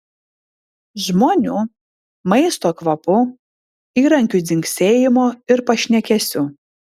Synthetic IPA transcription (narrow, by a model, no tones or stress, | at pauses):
ʒmoːnʲuː | mɐɪst̪oːkʋɐpʊ | iːɾɐŋʲkʲud̪ʲɪŋksʲeːjɪmoːɪɾpɐʃʲnʲɛkʲɛsʲuː